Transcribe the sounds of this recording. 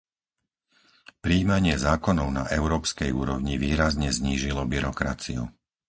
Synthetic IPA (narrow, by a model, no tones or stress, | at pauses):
pɾiːmaɲɪɛzaːkɔnɔʊna̰ʔɛʊɾɔːpskɛjṵːɾɔʊɲiʋiːɾazɲɛzɲiːʒilɔbiɾɔkɾa̰t͡siṵ